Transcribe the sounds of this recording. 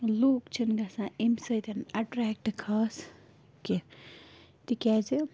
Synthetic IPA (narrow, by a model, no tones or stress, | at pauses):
loːkt͡ʃʰinɡasãemsɐjt̪ʰɐnɐʈɾaːk̚ʈkʰaːs | ke | t̪ikaːzi